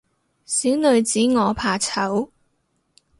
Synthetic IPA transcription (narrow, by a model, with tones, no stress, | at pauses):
siː˨˥wnɵ˨˧ɥt͡siː˨˥ŋɔː˨˧pʰaː˨˩t͡sʰɐ˨˥w